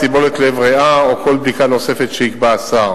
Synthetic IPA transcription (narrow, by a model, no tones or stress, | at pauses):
sibo̞let̪levʁeaokʰo̞lbdikano̞se̞fe̞t̪ʃeikbaːsaʁ